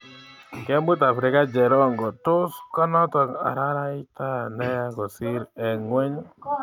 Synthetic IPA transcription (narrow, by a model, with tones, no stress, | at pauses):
kɛ˦mbu˦ta˨fɾɪ˨˦ka˦d͡ʒɛ˨ɾɔ˦˨ŋɡɔ˨tʊ˦skɔ˦nɔ˦tɔ˨a̰˨ɾa˦ɾa˦ɪ˦ta˦˨nɛ˦ja˦kɔ˨sɪ˦ɾɛ˨ŋwɛ˦ɲ˦